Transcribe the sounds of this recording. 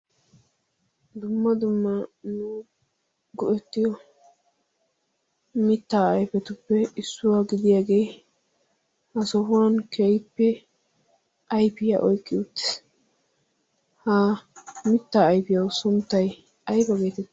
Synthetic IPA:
d̪ʊmːɐd̪ʊmːɐnuː | ɡɔʔɛt̪ːɪjɔ | mɪt̪ːaːɐjpɛt̪ʊpːɛɪsːʊwaːɡɪd̪ɪjaːɡe̞ː | hɐsɔɦʊwankʰejpːɛ | ɐjpɪja̰ʔɔjkʼːɪʊt̪ːɪ̥s | hamɪt̪ːaːjpɪjɐwsʊnt̪ːɐj | ɐjpɐbe̞ːt̪ɛt̪ː

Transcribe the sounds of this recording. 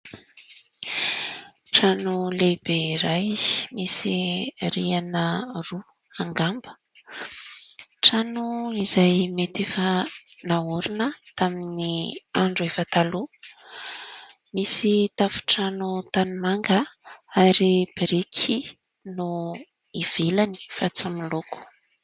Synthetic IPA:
ʈ͡ʂanulebeɾajmisiɾianəru | aŋɡambə̥ | ʈ͡ʂanuizajmet̪efənauɾunət̪aminiaɳɖ͡ʐuefət̪alu | misit̪afu̥ʈ͡ʂanut̪animaŋɡəaɾib̥iɾikʰi | nu | iv̥elani̥fat͡similoku̥

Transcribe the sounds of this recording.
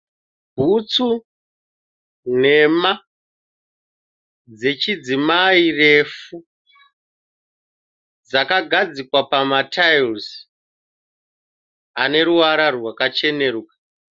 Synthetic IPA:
bʱut͡su | n̤e̞ma | d͡ze̞t͡ʃid͡zimaire̞fu | d͡zakaɡʱad͡zikwapamatʰails | ane̞ɾuwaɾarwakat͡ʃe̞ne̞ɾukḁ

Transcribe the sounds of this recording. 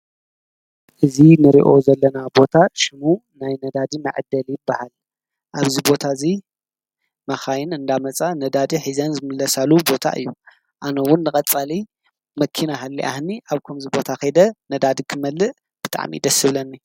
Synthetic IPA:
ʔɨzinɨɾiʔo̞zɐlːɐnabo̞t̪ʰaʃɪmu | najnɐd̪ad̪imɐ̰ʕd̪ːɐljɪbːahal | ʔaβzibo̞t̪ʰaɨzi | mɐxajɪnɨnd̪amɐt͡sʼanɐd̪ad̪iħizɐnzɨmɨlːɐsalubo̞t̪ʰa̰ʔɨ̰jːu | ʔanɐwʊnːɨkʼɐt͡sʼali | mɐkʰːinaɦalːḭʔa̰hniʔaβkʰɐmzibo̞t̪ʰaxɐd̪ɐnɐd̪ad̪ikʰɨmɐlːɨʔ | b̥ɨt̪ʼʰa̰ʕmḭd̪ɐsɨβlɐnːi

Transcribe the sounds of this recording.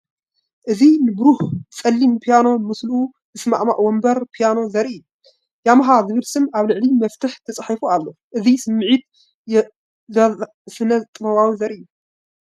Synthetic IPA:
ʔɨzinɨbɨɾuht͡sʼɐlːimpʰijano̞mɨslʔu | ɨsma̰ʕma̰ʔwɔmbɐɾpʰijano̞zɐɾiʔɨjːu | jamɐɦazɨβɨlsɨmaβlɨʕlimɐft̪ʰɨħt̪ʰɐt͡sʼħifualːo̞ | ʔɨzisɨmːɨʕit̪̚ | jɛ | zɐ | fɨnɐt̪ʼɨnɐβawizɐɾʔɨjːu

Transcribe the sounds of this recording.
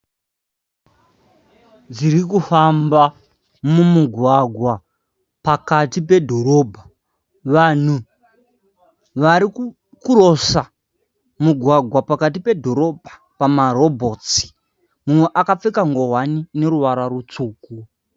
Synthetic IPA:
d͡ziɾikufamba | mumuɡʱwaɡʱwa | pakatipe̞dʱo̞ɾo̞bʱa | ʋan̤u | ʋaɾi | kuro̞sa | muɡʱwaɡʱwapakatipe̞dʱo̞ɾo̞bʱa | pamaɾo̞bʱo̞t͡si̥ | mumwe̞ʔakap͡fekaŋɡo̞ɦwanine̞ɾuʋaɾarut͡suːku

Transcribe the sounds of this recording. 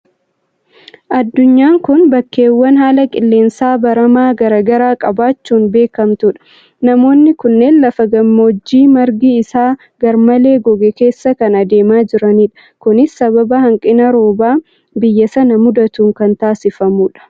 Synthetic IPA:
ʔɐd̪ːʊɲːaːŋkʊnbɐkːe̞ːwːɐnɦaːlɐkʼɪlːe̞ːnsaːbɐɾɐmaːɡɐɾɐːɡɐɾaːkʼɐbaːt͡ʃːuːnbe̞ːkɐmt̪ʊᶑɐ̥ | nɐmo̞ːnːɪkʊnːe̞ːnlɐfɐɡɐmːoːd͡ʒːiːmɐɾɡiːɪsaː | ɡɐɾmɐle̞ːɡɔɡɛke̞ːsːɐkɐnɐd̪e̞ːmaːd͡ʒɪɾɐniːᶑɐ̥ | kʊnɪsːɐbɐbɐhɐŋkʼɪnɐɾo̞ːbaː | bɪjːɐsɐnɐmʊd̪ɐt̪uːŋkɐnt̪aːsɪfɐmuːᶑɐ̥

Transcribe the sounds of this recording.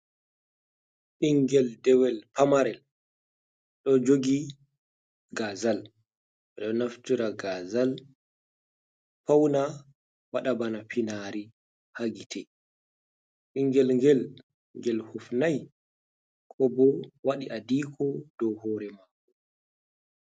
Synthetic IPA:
ɗiŋɡɛldɛwɛlpamaɾɛl | ɗɔd͡ʒoɡi | ɡazal | ɛɗɔnaftiɾaɡazal | pawna | waɗabanapinaɾi | haɡitʰɛ | ɗiŋɡɛlŋɡɛl | ŋɡɛlhufnaj | kʰɔbɔwaɗiʔadiːkʰɔd̥ɔwhɔːɾɛmaku

